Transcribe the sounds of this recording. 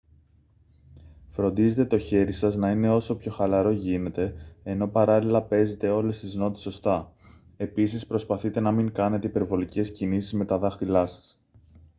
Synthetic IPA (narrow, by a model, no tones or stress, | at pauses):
fɾo̞nd̪ize̞t̪e̞t̪o̞çe̞ɾisɐznɐine̞o̞so̞pço̞xɐlɐɾo̞ʝine̞t̪e̞ːno̞pɐɾɐlilɐpe̞ze̞t̪e̞o̞le̞st̪izno̞t̪i̥so̞st̪ɐ | e̞pis̬ispɾo̞spɐθit̪e̞nɐmiŋkɐne̞t̪e̞ipe̞ɾvo̞lice̞scinisizme̞t̪ɐðɐxt̪ilɐsɐ̥s